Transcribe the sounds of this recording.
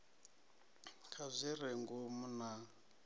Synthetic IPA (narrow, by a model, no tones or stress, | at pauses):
kʰazʷiɾɛŋɡumuna